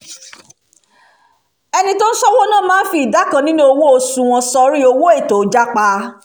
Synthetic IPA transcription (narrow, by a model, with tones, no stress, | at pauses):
ɛ˧nĩ˧to˦n̩˦sɔ˦wɔ˦nã˦˨mãː˦n̩˦fi˧˨i˨da˨˦kã˧nĩ˦nũ˦o˧wo˦o˧sũ˧w̃ɔ̃˧sɔ˧ɾi˦o˧wo˦e˦˨to˨˦d͡ʒa˦k͡pa˧